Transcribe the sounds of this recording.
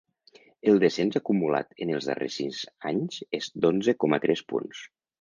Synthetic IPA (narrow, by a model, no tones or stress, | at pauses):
əlˠd̪əsenzakumula̰t̪ənəlˠzðə̰rḛsizaɲzezd̪onzəkɔmət̪ɾʔɛspṵns